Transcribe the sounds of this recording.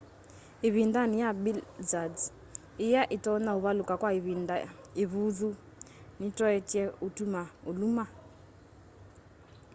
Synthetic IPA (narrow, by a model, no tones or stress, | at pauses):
iβindanijaɓilzad͡z | ijaʔitɔnauβalukakwaiβindaiβud͡zu | nitɔɛtɛutumauluma